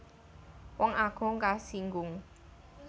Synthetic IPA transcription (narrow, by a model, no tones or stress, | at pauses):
wɔŋaɡ̥ʊ̤ŋkasiŋɡʊŋ